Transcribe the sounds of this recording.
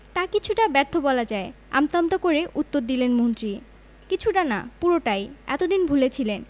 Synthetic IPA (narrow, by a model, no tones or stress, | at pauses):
t̪akit͡ɕʰuʈabɛɾt̪ʰːobɔlad͡ʑaea̰mt̪amt̪okoɾeʔut̪ːoɾd̪ilenmont̪ɾi | kit͡ɕʰuʈana̰puɾoʈajɛ̰t̪od̪inbʱulet͡ɕʰilen